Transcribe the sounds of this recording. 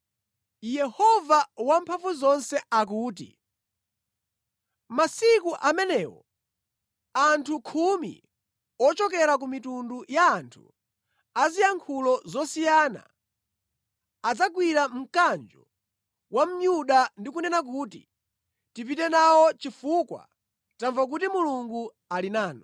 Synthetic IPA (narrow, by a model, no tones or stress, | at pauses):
jɛhɔvawampʰaɱvuzɔnsɛak̬uːt̬ḭ | masikuʔamɛnɛːwɔ̰ | antʰukʰumḭ | ɔt͡ʃɔkɛɾak̬umitundujaːntʰṵ | azijaŋkʰulɔzɔsijana̰ | d͡zakwiɾam̩kand͡ʒɔ | wam̩ɲuɗandikunɛnak̬uːtḭ | tipitɛnawɔt͡ʃifukwa̰ | taɱvak̬utimuluŋɡu | alinaːnɔ